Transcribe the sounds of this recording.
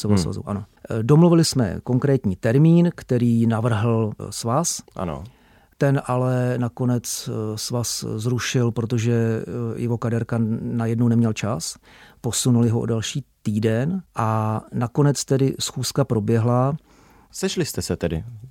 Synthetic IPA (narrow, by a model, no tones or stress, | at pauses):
sovosva̰zṵwʔa̰no̰ | do̞mluvɪlɪsmɛ̰ko̞ŋkɾɛːt̪ɲiːt̪ɛɾmiːnkt̪ɛɾiːnavr̩ɦl̩svasʔa̰no̰ | t̪ɛnʔalɛnako̞nɛt͡ssvaszɾuʃɪlpɾot̪o̞ʒɛjɛɦo̞kadɛɾkanajɛdno̞wnɛmɲɛlt͡ʃas | po̞sunulɪɦoo̰dalʃiːt̪iːdɛnʔanako̞nɛt͡st̪ɛdɪsxuːskapɾo̞bjɛɦla | sɛʃlɪst̪ɛsɛt̪ɛdɪ̰